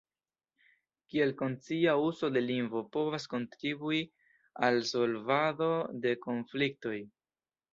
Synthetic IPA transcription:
kie̞lko̞nt͡siauso̞de̞linɡvo̞po̞vasko̞ntɾibui | also̞lvado̞de̞ko̞nflik̚to̞j

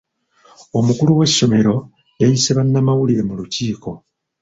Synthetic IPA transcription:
o̞mukuluwe̞ʃːo̞me̞ɾo̞ | jajiseβanːamawuliɾe̞muluciːko̞

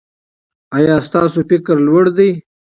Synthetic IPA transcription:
ajɑːst̪ɑːsofɪkɾlwəɽd̪əj

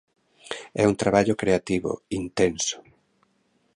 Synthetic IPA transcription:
ɛunt̪ɾaβaʎʊkɾeat̪iβo̰int̪ensʊ̥

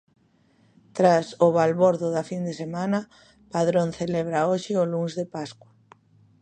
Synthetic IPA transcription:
t̪ɾasʊβalβoɾðʊðafind̪esemãna | paðɾonθelɛβɾaoʃɪʊluŋzðepaskwa

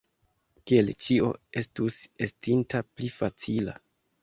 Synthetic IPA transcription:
kielt͡ʃio̞̰e̞stuse̞stintaplifat͡sila̰

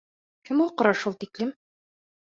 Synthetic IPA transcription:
kɘmulˠqɤ̆ɾɑʃulˠt̪iklɘm

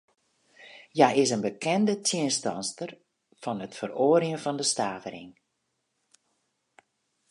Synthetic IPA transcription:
jaɪsənbəkʰɛndətʰjɪənstɑnstər | v̥ɑnətfəroːəɾiənvɔndəstaːvəɾɪ̰ŋ

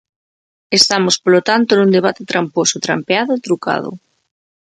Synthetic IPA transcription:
est̪amospolot̪ant̪onund̪eβ̞at̪et̪ɾamposot̪ɾampeaðoit̪ɾuka̰ð̞o̰

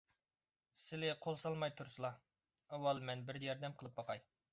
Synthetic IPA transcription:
sɪlɪqʰolˠsɑlˠmɑjt̪ʰuɾsɨlˠɑ | ɑwːɑlˠmɛnbɪɾd̪ɛjɑɾd̪ɛmqʰəlˠɨp̚bɑqʰɑj

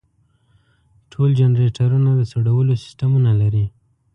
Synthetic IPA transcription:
ʈʰold͡ʒanɾeʈʰaɾunad̪əsoɽawəlosɪ̥st̪amunalaɾi

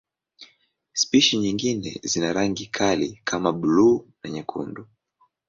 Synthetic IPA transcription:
spiʃiɲiŋɡinɛ̰zinaɾaŋɡikʰalikʰamaɓluːnaɲɛkʰṵndu

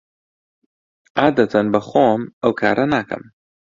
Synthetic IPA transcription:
aːd̪ɐt̪ʰɐnbɐxoːmɐwkʰa̰ːɾʔɐnaːkɐ̰m

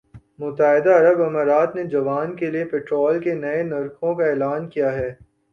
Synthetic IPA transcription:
mʊt̪aːɦɪd̪aɐɾəbɐmaːɾaːt̪ned͡ʒɐʋaːnkeliepɛːʈɾɔːlkenɐenɐɾkõkaɛːlaːnkijaɦɛː

